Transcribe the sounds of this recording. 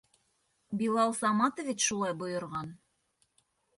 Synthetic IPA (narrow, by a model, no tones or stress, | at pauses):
bilˠɑlˠsɑmɑt̪ovʲit͡ɕʃulˠɑjbŏjŏɾʁɑn